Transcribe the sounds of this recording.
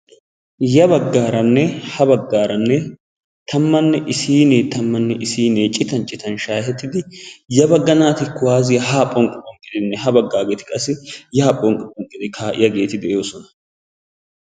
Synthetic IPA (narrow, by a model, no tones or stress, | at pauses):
jɐbɐɡːaːɾɐnːɛhɐbɐɡːaːɾɐnːɛ | t̪ɐmːɐnːɛʔɪsiːneːt̪ɐmːɐnːɛʔɪsiːneːt͡ʃʼɪt̪ɐnt͡ʃʼɪt̪ɐnʃaːhɛt̪ːɪd̪ɪjɐbɐɡːɐnaːt̪ɪkːʊwaːzɪjɐɦaːpʼɔŋkʼɪkʼɔŋkʼːɪd̪ɪnːɛhɐbɐɡːaːɡeːt̪ɪ̥kʼɐsɪjɐapʼɔŋkʼɪkʼɔŋkʼːɪd̪ɪkʰaːʔɪjɐɡe̞ːt̪ɪd̪ɛjo̞ːsɔnɐ̥